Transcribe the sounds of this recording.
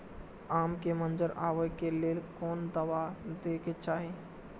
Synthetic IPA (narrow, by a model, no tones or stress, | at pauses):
amkemənd͡ʒəɾaːʋəkelelkɔːnd̪əʋad̪eket͡ʃaːɦi